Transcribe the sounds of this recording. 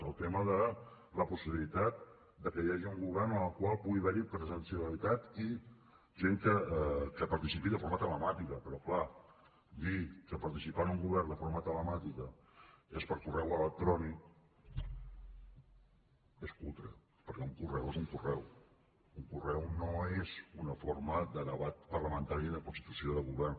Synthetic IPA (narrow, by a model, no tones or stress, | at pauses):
əlˠt̪eməðə | ləpusiβilit̪at̪̚ | d̪əkəjaʒiuŋɡuβɛrnənəlˠkwalˠpuɣiβɛɾipɾəzənsiəlit̪at̪i | ʒeŋkəkəpəɾt̪isipiðəfoɾmət̪ələmat̪ikəpəɾɔkla | d̪ikəpəɾt̪isipanuŋɡuβɛrnd̪əfoɾmət̪ələmat̪ikə | espəɾkurɛwələk̚t̪ɾɔni | eskulˠt̪ɾə̰ | pəɾkɛuŋkurɛwezuŋkurɛw | uŋkurɛwnoezunəfoɾməðəðəβat̪̚pərləmənt̪aɾiðəkunst̪it̪usioðəɣuβɛrn